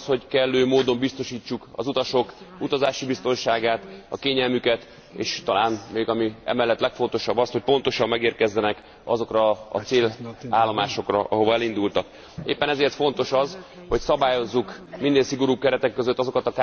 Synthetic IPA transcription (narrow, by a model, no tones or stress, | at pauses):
sho̞ɟkɛlːøːmoːd̪o̞mbist̪o̞ʃiːt͡ʃːukɒ̰zut̪ɒʃo̞kut̪ɒzaːʃibist̪o̞nʃaːɡaːt̪ɒ̰keːɲɛlmykɛt̪ | ḛːʃt̪ɒlaːnmeːɡɒmiɛ̰mɛlːɛt̪ːlɛkfo̞nt̪o̞ʃɒbːɒsho̞c̚po̞nt̪o̞ʃɒmːɛɡeːrkɛzːɛnɛk | ɒ̰zo̞krɒɒ̰t̪seːlaːlːo̞maːʃo̞krɒʔɒɦo̞vɒɛlind̪ult̪ɒk | ḛːpːɛnɛzeːrt̪fo̞nt̪o̞ʃɒzho̞csɒbaːjo̞zːukmind̪eːnsiɡo̞ɾuːb̚kɛɾɛt̪ɛkːøzø̞t̪ːɒzo̞kɒt̪ɒka